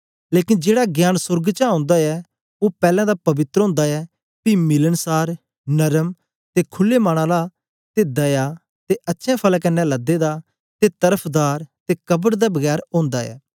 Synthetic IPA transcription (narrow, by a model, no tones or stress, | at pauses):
leːkɪnd͡ʒeːɽaɡjaːnsʊɾɡt͡ʃaãːnd̪aɛː | oːpɛːlɛ̃ːd̪aːpɐbɪt̪ɾɦõːnd̪aɛː | pimɪlənsaːɾ | nəɾəm | t̪ekʰʊlːemaːɽ̃ãːla | t̪eːd̪ɐjaː | t̪eʔɐtːʃʰɛ̃ːpʰəlkɐnːɛ̃ləd̪ed̪aː | t̪et̪əɾəpʰd̪aːɾt̪ekəbəɽd̪abəɡɛːɾõːnd̪aːɛ̰ː